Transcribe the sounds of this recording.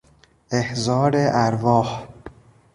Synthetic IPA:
ehzɒːɾeʔæɾvɒːh

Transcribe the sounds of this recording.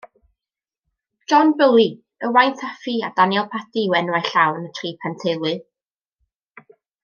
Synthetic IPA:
d͡ʒɔnbəlˠi | əwajntʰafiad̥anjɔlˠpʰatiwɛnwajɬawnətʰriːpʰantʰelˠɨ

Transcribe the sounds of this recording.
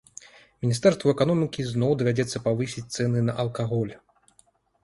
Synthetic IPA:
mʲinʲist̪ɛrst̪vuɛkanɔmʲikʲiznɔwd̪ɐvʲad͡zʲɛt̪sːɐpavɨsʲit͡sʲt̪sɛnɨnɐʔɐlˠkaɣɔlʲ

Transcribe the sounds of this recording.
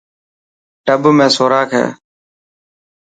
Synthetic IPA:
ʈəbmẽːsoːɾaːkʰɛ̰ː

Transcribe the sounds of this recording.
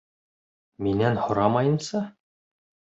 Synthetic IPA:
minænhŏɾɑmɑjɤ̆nsɑ

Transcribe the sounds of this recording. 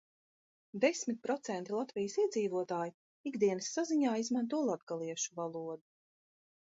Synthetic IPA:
d̪esmit̪̚ʲpɾɔt̪sɛnt̪ilˠat̪vijəsiɛd̪ziːvuɔt̪aːji | iɡd̪iɛnɨsːaziɲaːizmant̪̬uɔlˠad̪ɡalˠiɛʃuvalˠuɔd̪u

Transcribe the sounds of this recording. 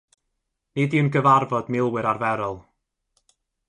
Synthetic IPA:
nidiənɡəvarvɔdmɪlˠwɪɾarvɛɾɔlˠ

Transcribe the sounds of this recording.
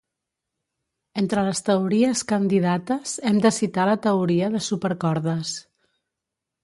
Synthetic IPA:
ent̪ɾələst̪əuɾiəskənd̪iðat̪əzɛmd̪əsit̪alət̪əuɾiəðəsupəɾkɔɾðəs

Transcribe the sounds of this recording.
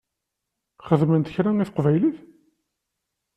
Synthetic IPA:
χəðmənt̪ə̥çɾæŋiθqvæjliθ

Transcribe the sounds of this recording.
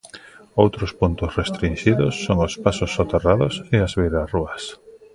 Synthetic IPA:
owt̪ɾʊspunt̪ʊsrest̪ɾinʃiðʊsːoŋospasʊsot̪eraðʊseazβejɾaruɐs

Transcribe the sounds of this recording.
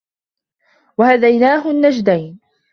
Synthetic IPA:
wahad̪ajnaːɦʊnːad͡ʒd̪ajn

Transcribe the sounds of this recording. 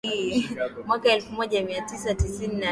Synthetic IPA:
i | mwakaɛlfumɔʄamiatisatisinina

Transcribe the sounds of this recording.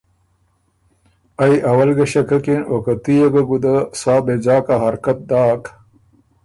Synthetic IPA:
ɐjɐwɐlɡɐɕɐkɐkinokɐt̪ijɐɡɐɡud̪ɐsaːbed͡ʑaːkaɦɐɾkɐt̪̚d̪aːk

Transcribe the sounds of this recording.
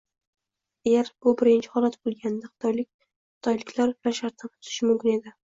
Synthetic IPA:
ajaɾb̥ʊbɪɾɪnt͡ʃʰɪ̥hɒlat̪bolˠɡʲand̪aχɨ̥t̪ʰjlɪ | ɨt̪ʰɒjlɪkʲʰlaɾplaɾʃaɾt̪nanʰʊ̥t̪ʰɪ̥ʃɪmʊmkʲɪne̞d̪ɪ

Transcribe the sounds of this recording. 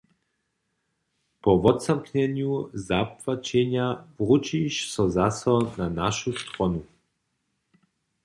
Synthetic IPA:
pɔʋɔt̪samknɛnjuzapvat͡ʃɛɲavʁut͡ʃiʃsɔzasɔnanaʃust̪ɾɔnu

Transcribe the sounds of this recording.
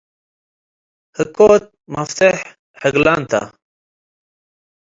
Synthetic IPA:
həkoːt̪̚mɐft̪eħ | həɡlaːnt̪ʰa̰

